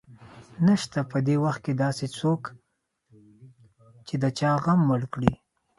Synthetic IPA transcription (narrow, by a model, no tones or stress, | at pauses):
naʃt̪apəd̪ewaxt̪̚ked̪ɑset͡sok | t͡ʃed̪ət͡ʃɑɣamːəɽkɽi